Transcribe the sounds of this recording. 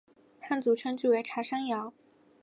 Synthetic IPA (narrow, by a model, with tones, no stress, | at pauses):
xa˥˩nt͡su˧˥ʈ͡ʂʰɤ˥ŋt͡ɕy˥˩we˧˥ʈ͡ʂʰa˧˥ʂa˥ŋjɑ˧˥˦ʊ